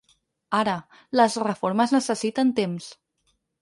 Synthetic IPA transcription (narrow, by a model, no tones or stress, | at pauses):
aɾə | ləzrəfoɾməznəsəsit̪ənt̪ems